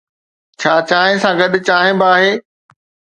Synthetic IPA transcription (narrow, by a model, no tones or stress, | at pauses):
t͡ɕʰaːt͡ɕaːɦẽsãɡɐɗt͡ɕaːɦɪ̃bɪaːɦeː